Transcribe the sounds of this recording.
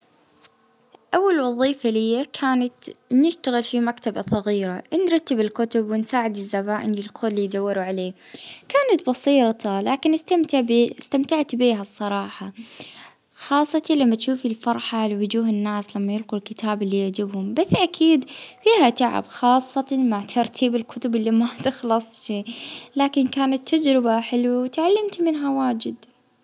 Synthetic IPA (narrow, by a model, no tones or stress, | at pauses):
ʔawːalwɑðˤiːfalɪjːakʰaːnat̪nɪʃt̪aɣɪlfimakt̪abasˤɑɣiːɾaʔnɾˤɑt̪ːɪbɪlkʊt̪ʊbwɪnsaːʕɪd̪ɪzːaβaːʔɪnɪlqʰuːlːijd̪awːɪɾuʕaleːkaːnat̪bɑsˤiːɾɑt̪ɑlaːkɪnɪst̪amt̪st̪amt̪aʕt̪biːɦasˤːɑɾˤɑːħɑ | xɑːsˤːɑt̪ilamːat̪ʃuːfɪlfɑɾˤħalɪwʊd͡ʒuːɦɪnːaːslamːajɪlqulkɪt̪ʰaːbɪlːijaʕd͡ʒɪbhʊmbaθʔakʰiːd̪fiːhat̪aʕa̰bxɑːsˤːɑt̪maʕt̪ʰɑɾˤt̪ʰiːbɪlkʰʊt̪ʊbɪlːimat̪ɪxlɑsˤʃiːlaːkɪnkaːnat̪ʰːad͡ʒɾɪbaħɪlwawɪt̪ʕalːamt̪mɪnɦawaːd͡ʒɪd̪